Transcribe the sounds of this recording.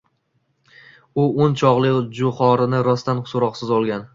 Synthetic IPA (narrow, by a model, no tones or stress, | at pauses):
ʊont͡ʃʰɒʁlˠɪd͡ʒʊχɒɾɪnɪɾɒst̪anχʊ̥sʊɾɒqsɪzɒlˠɡʲan